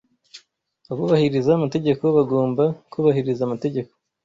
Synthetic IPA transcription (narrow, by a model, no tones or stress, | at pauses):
aβuβahiɾizaːmate̞ɟe̞ko̞βaɡoːmbakuːβahiɾizaːmate̞ɟe̞ko̞̥